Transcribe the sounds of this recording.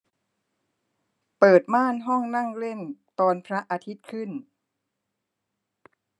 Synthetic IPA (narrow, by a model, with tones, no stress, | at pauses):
pɤː˨˩t̪̚maː˥˩nɦɔ˥˩ŋna˥˩ŋɾe˥˩nt̪ɔː˧npʰɾa˦˥ʔaː˧t̪ʰi˦˥t̪̚kʰɯ˥˩n